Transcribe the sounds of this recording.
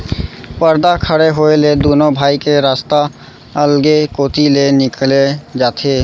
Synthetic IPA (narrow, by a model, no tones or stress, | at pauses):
pəɾd̪akʰəɽeɦoeled̪unobʱaːikeɾast̪a | əlɡekot̪ilenɪkled͡ʒaːt̪ʰe